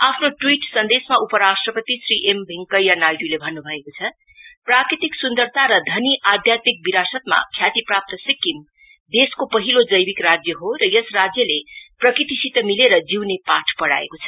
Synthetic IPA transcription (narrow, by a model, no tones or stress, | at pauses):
apʰnoʈwiʈsʌnd̪esmaupʌɾasʈrʌpʌt̪isriʔembʱiŋkʌjanajɖulebʱʌnːubʱʌekot͡sʰʌ | prakɾit̪iksund̪ʌrt̪ʰaɾʌd̪ʱʌniʔad̪ʱjat̪mik̚biɾasʌt̪ma̰kʰjat̪iprap̚t̪ʌsikːim | d̪eskopʌɦilod͡zʌjbikrad͡zjʌɦoɾʌjʌsrad͡zjʌleprʌkrit̪isit̪ʌmileɾʌd͡ziwnepaʈʰpʌɽa̰ḛkot͡sʰʌ̥